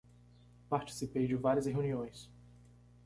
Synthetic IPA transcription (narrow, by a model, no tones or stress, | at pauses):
paɾt͡ʃi̥sipejd͡ʒɪvaɾiɐsheuniõj̃s